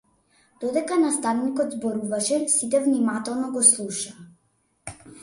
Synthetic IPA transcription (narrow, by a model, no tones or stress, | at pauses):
d̪̥ɔd̪ɛkanast̪avnikɔd̪zbɔɾuvaʃɛsit̪ɛvnimat̪ɛlˠnɔɡɔslˠuʃaa